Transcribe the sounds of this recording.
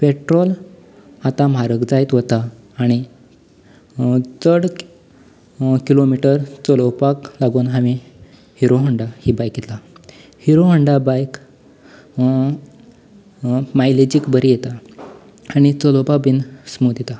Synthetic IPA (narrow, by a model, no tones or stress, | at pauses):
peʈɾɔl | at̪ãm̤aɾəkd͡zajt̪ɦot̪aː | ɽ̃i | t͡səɽ | kilomiʈəɾt͡səlopaklaɡuːnɦaʋi | hiɾoɦəɳɖahibajket̪la | hiɾoɦəɳɖabajk | majled͡ʑiːkbəɾijet̪a | aɽ̃it͡səlopabinsmud̪jet̪a